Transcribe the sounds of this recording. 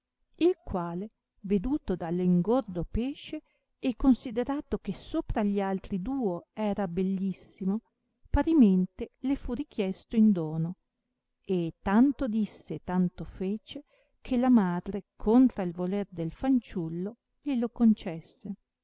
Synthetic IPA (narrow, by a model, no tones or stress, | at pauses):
ilkwaːle | ved̪uːt̪od̪alːiŋɡord̪opeːʃe | ɛkːonsid̪eɾaːt̪okesoːpɾaʎːialt̪ɾid̪uːoɛːɾabelːisːimo | paɾiment̪elefurik̟jɛst̪oind̪oːno | et̪ːant̪od̪isːet̪ant̪ofeːt͡ʃe | kʰelamaːd̪ɾekʰont̪ɾailvolerd̪elfant͡ʃulːo | ʎilokont͡ʃɛsːe